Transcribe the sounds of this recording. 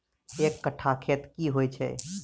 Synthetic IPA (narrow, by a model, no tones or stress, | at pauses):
ekːəʈʰakʰet̪kiɦojt͡ʃʰɛ̰